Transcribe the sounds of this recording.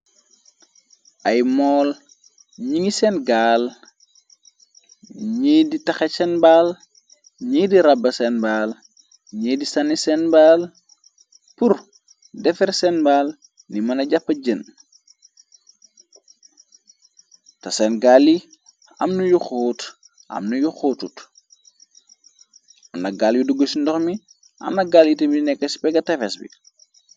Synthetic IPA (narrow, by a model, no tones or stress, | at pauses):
ʔɐjmɔːl | ɲiŋisɛnɡaːl | ɲiːditɐxesɛnbaːl | ɲidiɾabːɐsɛnbaːl | ɲiːdisɐnisɛnbaːl | pur | dɛfɛɾsɛnbaːl | nimɐnɐɟapːɐɟən | tɐsɛnɡalːi | ɐ̰mnujuxoːt | ʔɐ̰mnujuxoːtut | ɐmnɐɡaːljuduɡəsindɔxmi | ʔɐ̰mnɐɡaːljitəmidinɛkːɐsi̥pɛɡɐtɛfɛsbḭ